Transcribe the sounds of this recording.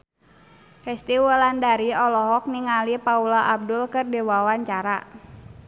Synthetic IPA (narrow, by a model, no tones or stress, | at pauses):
fɛst̪iwəlandaɾiɔlɔɦɔk̚niŋalipaulaʔab̚dʊlkɨrdiwawaɲt͡ʃaɾa